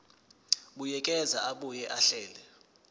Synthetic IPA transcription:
ɓujɛkʼɛzaaɓujɛʔaɬɛːlɛ

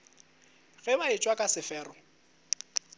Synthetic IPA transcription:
ɣɛmaɪt͡ʃʼwakʼasɪfɛːrɔ

